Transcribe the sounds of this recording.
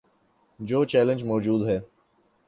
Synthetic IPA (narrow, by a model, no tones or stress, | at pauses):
d͡ʒoːt͡ʃɛːlə̃nd͡ʒmɔːd͡ʒuːd̪ɦɛː